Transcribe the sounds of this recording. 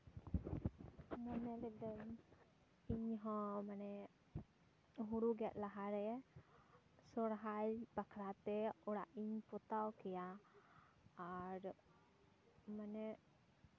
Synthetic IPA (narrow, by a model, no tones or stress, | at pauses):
mɔnɛlɛd̪ɛm | iɲɦɔ̃manɛ | ɦuɾuɡɛʔ̪̚laɦaɾɛɛ | sɔɽɦaɾbakʰɾat̪ɛɔɽaʔiɲpɔt̪awkɛja | ɾ | manɛ